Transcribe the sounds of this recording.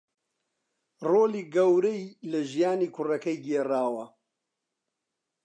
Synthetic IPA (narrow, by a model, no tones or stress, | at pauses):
roːliːɡɐwɾɐjlɐʒijaːniːkʰʊrɐkɐjɡeːraːwɐ